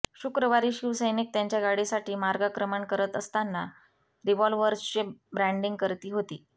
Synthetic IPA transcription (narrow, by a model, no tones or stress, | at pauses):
ɕukɾəʋaɾiːɕiʋsəjnik̚t̪jaɲt͡ɕjaɡaɽesaʈiːmaɾɡakɾəməɳkəɾət̪əst̪anːa | ɾiʋɔlʋʋəɾst͡ɕebɾæ̃ɳɖiŋɡ̚kəɾt̪iːɦot̪iː